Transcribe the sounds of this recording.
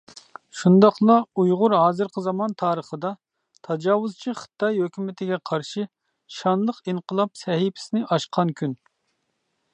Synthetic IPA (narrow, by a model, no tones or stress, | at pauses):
ʃund̪ɑχlˠɑujʁʊɾɦɑːzɨɾqʰəzɑmɑnt̪ʰɑːɾəχəd̪ɑ | t̪ʰɑd͡ʒɑːwuzt͡ʃʰiχə̥t̪ʰɑjɦøkʲymɪt̪ʰɪɡʲɛqʰɑɾʃɨ | ʃɑnlˠəqiɴqʰəlˠɑp̚sɛɦipʰɪ̥sɪnɪʔɑʃqʰɑnkʲʰyn